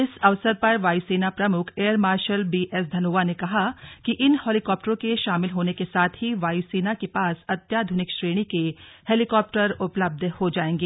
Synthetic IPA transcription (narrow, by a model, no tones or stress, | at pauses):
ɪsɐʋsəɾpɐɾʋaːjsiːnapɾɐmʊkʰeːəɾmaːɾʃəlbiːʔɛs̬d̪ʱɐnoːʋanekɐɦakiʔɪnhɔːlikɔːp̚ʈəɾõkeʃaːmɪlɦoːnekesaːt̪ʰɦiʋaːjsiːnakepaːsɐt̪jaːd̪ʱʊnɪkʃɾeːɽ̃ikeheːlɪkɔːp̚ʈəɾʊpləb̚d̪ʱhod͡ʒaːẽːŋɡeː